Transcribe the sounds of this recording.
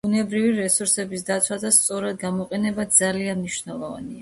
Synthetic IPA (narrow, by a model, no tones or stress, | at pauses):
b̥unɛbɾiviɾɛsuɾsɛbisd̪at̪sʰwad̪ast̪sʼɔɾad̪ɡamɔqʼɛnɛbad̪zalianmniʃnɛlˠɔva̰nia